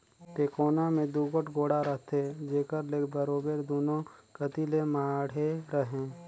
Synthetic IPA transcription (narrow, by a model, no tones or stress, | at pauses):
t̪eːkoːnamẽd̪uːɡəʈɡoːɽaɾəɦt̪ed͡ʒeːkəɾlekbəɾoːbeɾd̪oːnõkət̪ilemaːɽ̤eɾəɦẽː